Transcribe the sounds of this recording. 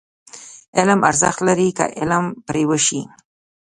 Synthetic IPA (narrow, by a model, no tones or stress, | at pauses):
ɪlma̰ɾzə̰xt̪laɾika̰ʔɪlmpɾewəʃi